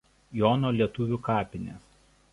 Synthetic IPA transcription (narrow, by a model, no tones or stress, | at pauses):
jɔːnoːlʲiɛt̪ʊʋʲʊːˑkɑːpʲɪnʲeːs